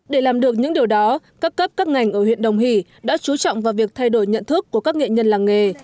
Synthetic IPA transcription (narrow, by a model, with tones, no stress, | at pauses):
ɗe˧˩laː˨˩mɗɨ˨˩ək̚ɲɨ̰˧˥ŋɗi˨˩əwɗɔ˨˦kaː˦˥p̚kə˦˥p̚kaː˦˥k̚ŋa˨˩jŋ̟ʔəː˧˩hwḭ˧˨ənɗə˨˩wŋ͡mɦḭ˧˩ | ɗa̰ː˧˥t͡ɕu˨˦t͡ɕɔ̰˧˨wŋ͡mvaː˨˩wvi˨˩ək̚t̪ʰa˧jɗo˧˩jɲə̰˧˨nt̪ʰɨ˦˥əkːu˧˩əkaː˦˥k̚ŋḛ˧˨ɲə˧nlaː˨˩ŋŋe˨˩